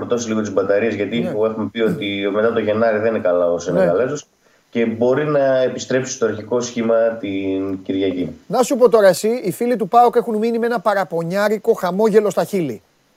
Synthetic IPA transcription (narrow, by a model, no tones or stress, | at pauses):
ɾt̪o̞siliɣo̞t̪̬izbɐt̪ɐɾiezʝɐt̪ipue̞xumepio̞t̪ime̞t̪ɐpt̪oʝe̞nɐɾiðeninekɐlɐoseneɣɐlezos | ce̞bo̞ɾinɐe̞pist̪ɾe̞psi̥st̪oɐɾçiko̞sçimɐt̪inciɾʝɐcinɐsupo̞t̪o̞ɾɐesiifilit̪upɐoke̞xunminime̞nɐpɐɾɐpo̞ɲɐɾiko̞xɐmo̞ʝe̞lo̞st̪ɐçili